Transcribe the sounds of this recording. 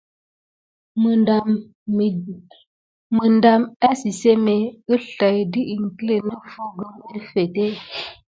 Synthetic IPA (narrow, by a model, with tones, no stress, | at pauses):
mə˨ | mə˨nda˨ma˦si˨se˦me˨ə˦ɬa˨jdi˦ʔi˨ŋ˨kə˦le˨nə˦fo˦ɡə˦mə˦fe˨te˦